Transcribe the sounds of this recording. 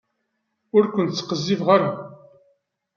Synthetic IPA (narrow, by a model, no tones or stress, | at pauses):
ʊɾkʷənt̪t͡sːə̥qəzːivʁaɾa